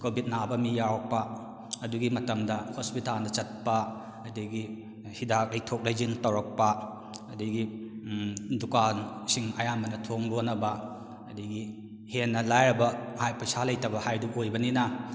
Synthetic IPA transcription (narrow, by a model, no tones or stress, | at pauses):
kobʱit̚nabɐmijawok̚pɐ | ɐduɡimɐtɐmdɐhospitalnɐt͡ʃɐt̚pɐ | ɐdiɡi | hidak̚lɐjtʰok̚lajzintɐwɾɐk̚pɐ | ɐdiɡi | dukansiŋɐjamɐnɐtʰoŋdonɐbɐ | ɐdiɡi | henːɐlajɾɐbɐhajpɐjsalɐjtɐbɐhajduʔojbɐninɐ